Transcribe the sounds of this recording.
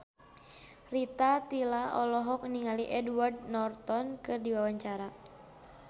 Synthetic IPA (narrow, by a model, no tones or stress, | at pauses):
rit̪at̪ilaʔɔlɔɦɔk̚niŋaliʔɛduwardnɔrt̪ɔnkɨrdiwawaɲt͡ʃaɾa